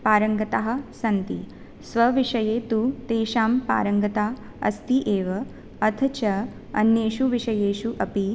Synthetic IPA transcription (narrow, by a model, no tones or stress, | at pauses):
paːɾɐŋɡɐt̪aɦɐ̆sɐnt̪ḭ | sʋɐʋiʂɐjeːt̪ut̪eːʃaːmpa̰ːɾɐŋɡɐt̪aː | ɐ̰st̪iʔeːʋɐ | ɐt̪ʰt͡ʃɐ | ɐ̰njeːʃuʋiʂɐjeːʃuʔɐpi